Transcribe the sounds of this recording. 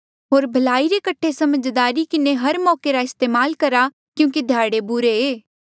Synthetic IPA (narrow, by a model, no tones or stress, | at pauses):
ɦoːɾbʱɐlaːiɾekɐʈʰːesɐməd͡ʒd̪aːɾikɪneɦɐɾmɔːkeɾaɪst̪eːmaːlkɐɾa | kjũːk̬id̪ʱjaːɽebʊɾeeː